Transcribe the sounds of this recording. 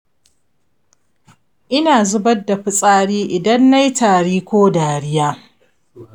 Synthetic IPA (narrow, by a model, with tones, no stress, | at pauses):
ʔɪ˦naː˨zʊ˦bɐː˦a˨ɸʊ˦sʼaː˦ɽiː˦ʔɪ˨dɐ˦nːa˦jtʰaː˨ɽiː˦kʷoː˦daː˨ɽɪ˦jaː˦